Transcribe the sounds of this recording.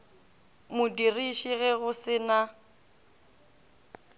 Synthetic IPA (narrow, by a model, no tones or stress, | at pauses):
mʊdiriʃiɣɛɣʊsɪna